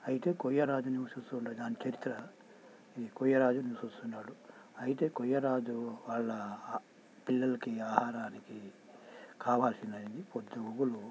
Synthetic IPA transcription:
ɐjit̪e̞ːkojɐɾaːd͡ʒuniʋɐsust̪uɳʈaːd̪aːnit͡ʃɐɾit̪ːɾɐ | ikɔjɐɾaːd͡ʒuniʋɐsust̪unːaːɽu | ɐjit̪e̞ːkɔjːɐɾaːd͡ʒuʋaːɭːɐ | pilːɐlɐkiaːhaːɾaːniki | kʰaːʋaːlsind̪ɐnd̪ipod̪ːɐuɡulu

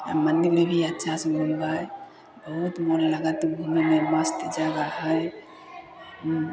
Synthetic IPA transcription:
ə̰mənd̪iɾmebʱiətːʃʰasə̃mund̪ae | bəɦut̪molləɡat̪bʱumememəst̪d͡ʒaɡaɦəj

